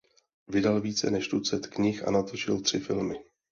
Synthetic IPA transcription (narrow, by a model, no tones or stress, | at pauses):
vɪdalviːt͡sɛ̰nɛʃtut͡sɛt̪kɲɪxʔa̰nat̪o̞t͡ʃɪlt̪r̝̥ɪfɪlmɪ